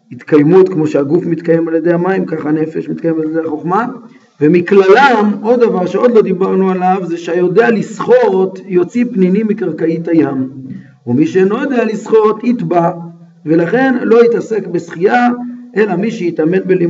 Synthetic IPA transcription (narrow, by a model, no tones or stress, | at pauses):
hit̪kajmut̪kmo̞ʃeaɡufmit̪kaje̞maljed̪ejhamaimkaχane̞fe̞ʃmit̪kaje̞maljed̪ejaχo̞χma | vemiklalamo̞dːavaʁʃeo̞d̪lo̞d̪ibaʁnualavzeʃeajo̞dealisχo̞tjo̞t͡sipninimikaʁkait̪ajam | umiʃenojod̪ealisχo̞t̪it̪ba | ve̞laχe̞nlo̞it̪ase̞kbesχiaʔe̞lamiʃejit̪ame̞nbeli